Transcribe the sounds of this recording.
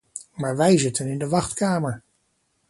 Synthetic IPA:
maːɹʋɛjzɪtənɪndəʋɑχtkaːməɹ

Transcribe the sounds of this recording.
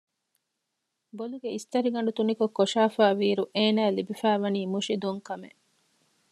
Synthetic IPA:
boluɡeist̪ɐɾiɡɐɳɖut̪unikokːoʃaːfaːʋiːɾuʔeːnæːlibifæːʋɐniːmuʃid̪uŋkɐmeʔ

